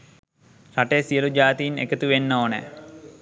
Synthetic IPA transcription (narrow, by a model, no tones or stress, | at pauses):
raʈesijəlud͡ʒaːt̪iinḛkət̪uʋenːoːnɛ̰